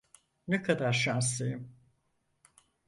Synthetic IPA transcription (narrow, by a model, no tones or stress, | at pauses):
nɛkʰad̪aɾʃans̬lejim